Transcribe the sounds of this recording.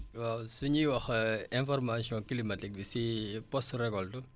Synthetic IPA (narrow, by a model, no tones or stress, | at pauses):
wawsuɲiwɐxɛ̃nfɔrmasiɔ̃kilimatik̚bisipɔstɾɛkɔltu